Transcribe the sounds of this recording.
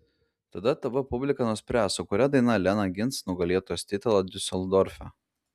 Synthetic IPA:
t̪ɐd̪ɐt̪ɐʋɐpʊbʲlʲɪkɐnʊsʲpʲɾʲæːˑsʊkʊɾʲɛd̪ɐɪnɐlʲɛnɐɡʲɪnt̪snʊɡɐlʲiɛt̪oɔjoːst̪ʲɪt̪ʲɛlˠɐd̪ʲʊsʲɛlʲˠd̪ɔɾʲfʲɛ

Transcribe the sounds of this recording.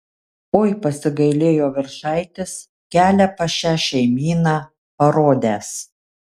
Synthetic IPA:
oːjpɐsʲɪɡɐɪlʲeːjoːʋʲɪɾʃɐɪt̪ʲɪs | kʲæːlʲæpɐʃʲæːʃʲɛɪmʲiːnɑː | pɐɾoːd̪ʲæːs

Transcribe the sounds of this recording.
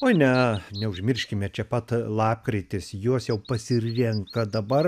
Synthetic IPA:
oːnʲɛnʲɛʊʒʲmʲɪrʲʃʲkʲɪmʲɛt͡ʃʲɛpɐt̪lˠɑːp̚kɾʲɪt̪ʲɪsjuɔsjɛʊpɐsʲɪrʲɛŋkɐd̪ɐbɐr

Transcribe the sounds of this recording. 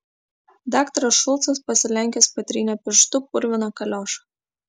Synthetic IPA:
d̪ɑːkt̪ɐɾɐsʃʊlˠˑt̪sɐspɐsʲɪlʲɛŋʲkʲɛspɐt̪ʲɾʲiːnʲoːpʲɪʃt̪ʊpʊɾʲʋʲɪnoːkɐlʲoːʃɐ̥

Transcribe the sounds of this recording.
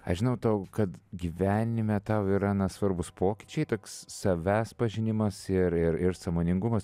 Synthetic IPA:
ɐʃʒʲɪnɐʊt̪ɐʊkɐt̪ɡʲiʋʲæːnʲɪmʲɛt̪ɐʊɪɾɑːnɐsʋɐrbʊspʰoːkʲɪ̥t͡ʃʲɛɪt̪oːkssɐʋʲæːspɐʒʲɪnʲɪmɐsɪɾɪɾɪɾsɐmoːnʲɪŋɡʊmɐs

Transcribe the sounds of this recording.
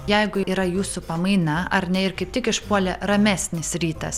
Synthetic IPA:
jɛɪɡʊiːɾɐjuːsʊpɐmɐɪnɐɐɾnʲɛɪɾkɐɪp̚t̪ʲɪkɪʃpuɔlʲɛɾɐmʲæsʲnʲɪsɾʲiːt̪ɐ̰s

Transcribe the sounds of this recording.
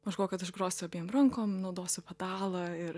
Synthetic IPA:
mɐʒɡoːkɐt̪ɪʒɡɾoːsʲtʲʊɐbʲiɛmɾɐŋkoːmnɐʊd̪oːsʲʊpɐd̪ɑːlˠɐɪɾ

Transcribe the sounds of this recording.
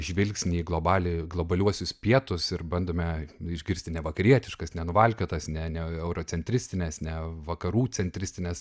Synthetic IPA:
ʒʲʋʲɪlʲksʲnʲiːɡlˠoːbɑːlʲɪɡlˠoːbɐlʲuɔsʲʊspʲiɛt̪ʊsɪɾbɐnd̪oːmʲɛɪʒʲɡʲɪɾʲsʲt̪ʲɪnʲɛʋɐkɐɾʲiɛt̪ʲɪʃkɐsnʲɛnʊʋɐlʲkʲot̪ɐsnʲɛnʲɛɛʊɾoːt͡sʲɛnʲt̪ʲɾʲɪsʲt̪ʲɪnʲɛsnʲɛʋɐkɐɾuːt͡sʲɛnʲt̪ʲɾʲɪsʲt̪ʲɪnʲɛs

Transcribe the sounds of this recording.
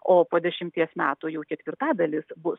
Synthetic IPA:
oːpoːd̪ʲɛʃʲɪmʲt̪ʲiɛsmʲæːt̪ʊːjɛʊkʲɛt̪ʲʋʲɪrt̪ɑːd̪ɐlʲɪsbʊs

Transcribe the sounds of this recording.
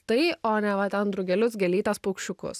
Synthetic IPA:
t̪ɐɪoːnʲɛʋɐt̪ʲɛnd̪ɾʊɡʲɛlʲʊs̬ɡʲɛlʲiːt̪ɐspoʊkʃʲʊkʊ̰s

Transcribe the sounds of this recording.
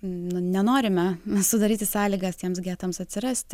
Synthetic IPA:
nʊnʲɛnoːɾʲɪmʲɛsʊd̪ɐɾʲiːt̪ʲɪsɑːlʲiːɡɐst̪ʲiɛmsɡʲæːt̪oːmsɐt̪ʲsʲɪɾɐsʲt̪ʲ

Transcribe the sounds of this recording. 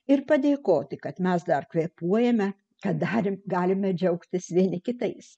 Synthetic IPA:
ɪrpɐd̪ʲeːkoːt̪ʲɪkɐt̪mʲɛsd̪ɐrkʋʲeːpuɔjɛmʲɛ | kɐt̪̚d̪ɑːɾʲɪmɡɑːlʲɪmʲɛd͡ʒʲɛʊkt̪ʲɪsʋʲiɛnʲɪkʲɪt̪ɐɪs

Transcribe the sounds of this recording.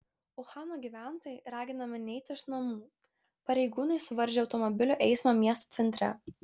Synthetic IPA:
ʊxɑːnoːɡʲiːʋʲæˑnt̪oːjɛɾɑːɡʲɪnɐmʲɪnʲɛɪt̪ʲɪɪʃnɐmuː | pɐɾʲɛɪɡuːnɐɪsʊʋɐɾʲʒʲeɒʊt̪ɔmɔbʲɪlʲuːʔɛɪsmɑmʲiɛst̪o̥ːt̪sʲɛnʲt̪ʲɾʲɛ̰

